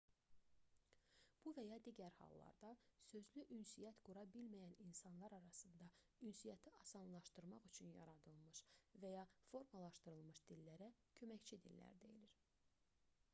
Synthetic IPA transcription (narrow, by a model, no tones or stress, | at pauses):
b̥uvæjɑd̪iːɟæɾhɑ̰lˠːɑ̰ɾd̪ɑsø̞zlyʔynsijæt̪ɡ̥uɾɑbilmæjæninsɑnlˠɑɾɑɾɑsɯnd̪ɑ | ynsijɑt̪ʰiʔɑsɑnlˠɑʃt̪ɯɾmɑχyt͡ʃʰynjɑ̰ɾɑd̪ɯlˠmɯʃvæjɑfo̞ɾmɑlˠɑʃt̪ɯɾɯlˠmɯʃd̪ilːæɾæcʰø̞mæçt͡ʃʰid̪ḭlːæ̰ɾd̪ḛjiliɾ